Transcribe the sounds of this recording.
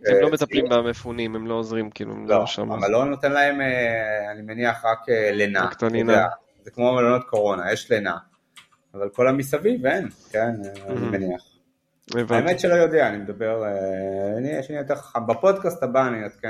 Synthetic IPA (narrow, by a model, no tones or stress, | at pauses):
lomet̪aplimbamefunimemloozʁimkḭlṵḛmloʃa̰mavalːo̞not̪enlae̞meanimeniaχʁakelenakt̪aninea | zekmo̞melonot̪̚ko̞ʁo̞najeʃlenaː | valko̞lamisavivenkenanimeniaχ | evaemet̪ʃelo̞jo̞d̪eaːnimed̪abeʁeniɛʃanijot̪eʁχḁχambapo̞d̪kast̪abaːninot̪ke